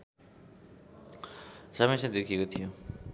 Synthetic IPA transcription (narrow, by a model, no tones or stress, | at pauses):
sʌmʌsʌd̪ekʰiekot̪ʰijo